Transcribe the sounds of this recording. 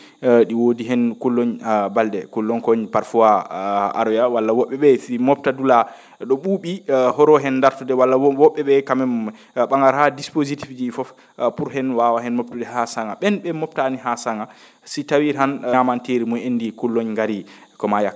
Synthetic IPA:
ɗiwodiɦɛnkulːoɲbaldɛ̰kulːɔnkɔɲpaɾfuaa̰ɾwijawalːawɔɓːɛɓɛsimɔp̚tadula | ɗɔɓuɓihɔɾɔɦɛnːdaɾtudɛwalːawɔɓːɛɓɛkamɛm | ɓaŋɡaɾhadispozitifd͡ʒifɔf | puɾɦɛnwawahɛnmoptuɗɛhasaŋɡa̰ɓɛnɓɛmɔp̚taniɦasaŋɡa | sitawiɾhanamanteɾimuendikulːoɲŋɡaɾi | kɔmajak

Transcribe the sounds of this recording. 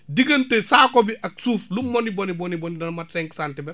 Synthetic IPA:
diɡɐntesaːkɔbiʔaksuːflumːonibɔnibɔnibɔnidɐnmatsɛŋksantibɛ

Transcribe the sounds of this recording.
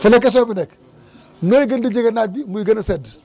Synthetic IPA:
fulekːɐs̬oːbinek | noːjiɡɐndid͡ʒiɡɐnabimuiɡɐnɐsed

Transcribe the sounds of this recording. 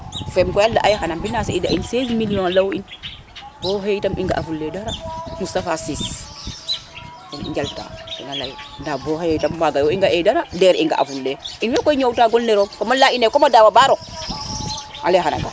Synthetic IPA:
fɛmkɔjaldaʔajxanambinaseida̰insezmilijõnlawin | b̥oɦeitamiŋɡa̰ʔafulːedaɾamusafasis | kɔnḭɲd͡ʒalta̰ːḭnalajndabohejjtamwaɡajwɔiŋɡaʔedaɾadɛɾiŋɡa̰ʔa̰fulːeinwɛkɔjɲowtaːɡɔlneɾokomalainekɔmadawabaɾo | a̰lexana̰ŋɡa̰

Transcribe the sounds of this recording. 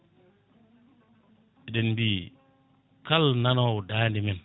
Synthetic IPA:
ɛɗɛnbiː | kalnanɔwdaːndimin

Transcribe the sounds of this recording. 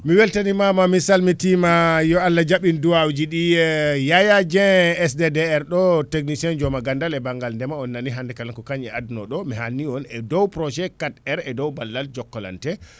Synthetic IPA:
miwɛltanimamamisalmitimajɔalːad͡ʒaɓinduawd͡ʒiɗijajad͡ʒɛɛsdɛdɛɛɾɗɔteknisiɛnd͡ʒɔmaɡandalɛbaŋɡalndɛmaɔnːaniɦandɛkalankɔkaɲɛadnɔ̰ɗɔmiɦanːiɔnɛdɔwpɾɔʃɛkatɛɾɛdɔwbalːald͡ʒɔkːɔla̰ntɛ

